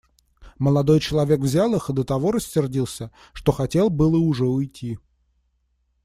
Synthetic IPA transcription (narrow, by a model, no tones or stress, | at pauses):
məlˠɐd̪o̞jt͡ɕɪlˠɐvʲe̞kvzʲalˠɨxɨd̪ət̪ɐvo̞ɾəsʲːɪrdʲilˠsʲə | ʂt̪o̞xɐtʲe̞lˠbɨlˠəʊʐɛʊjtʲi